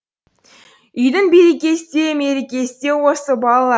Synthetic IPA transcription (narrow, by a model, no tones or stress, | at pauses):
ʏjd̪ɪŋbeɾekʲe̞st̪e̞me̞ɾekʲesɪt̪e̞wosəbɑlˠɑlˠɑ